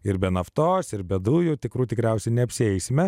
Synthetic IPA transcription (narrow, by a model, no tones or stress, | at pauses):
ɪɾbʲɛnɐft̪oːsɪɾbʲɛd̪uːjʊt̪ʲɪkɾuːt̪ʲɪkɾʲɛʊsʲɛɪnʲɛɐpʲsʲɪɛɪsʲɪmʲɛ